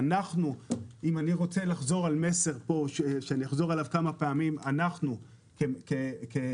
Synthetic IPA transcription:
naχnuimaniʁo̞t͡se̞laχzo̞ʁalme̞se̞ʁpoʃeʃeaniaχzo̞ʁalavkamapeamimanaχnu | kekeke

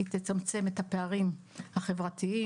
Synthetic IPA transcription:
t̪et͡samt͡se̞met̪hape̞aʁim | haχe̞vʁat̪ii

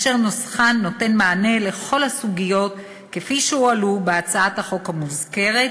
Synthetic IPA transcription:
ʃeʁnosχanːo̞te̞nmaːne̞le̞χo̞lhasuɡijo̞t | ke̞fiʃeualubeat͡saathaχo̞khamuzke̞ʁe̞t

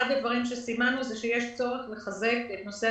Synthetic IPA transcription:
ad̪ad̪vaʁimʃesimanuzeʃejeʃt͡so̞ʁe̞χle̞χaze̞ket̪nose

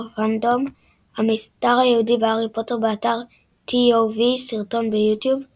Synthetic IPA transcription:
fandom | amistaʁajehudibeaʁipotobeataʁ | tʰiovisiʁto̞nbejutjub

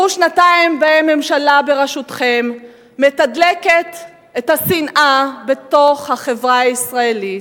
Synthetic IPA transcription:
uʃnataimbeemːe̞mʃalabe̞ʁeʃutχemː | etadleket | et̪hasinʔabe̞t̪o̞χhaχe̞vʁaaisʁaeli

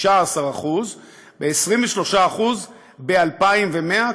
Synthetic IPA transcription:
ʃaːsaʁaχuz | beːsʁimveʃlo̞ʃaːχuz | bealpaimve̞me̞a

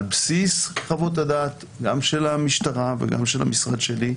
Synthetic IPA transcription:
lbsisχavo̞t̬adaːt̪ | ɡamʃe̞lamiʃtaʁavḛɡa̰mʃela̰misʁad̪ʃeli

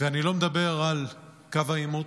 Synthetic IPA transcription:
veanilo̞med̪abe̞ʁal | kavaimu

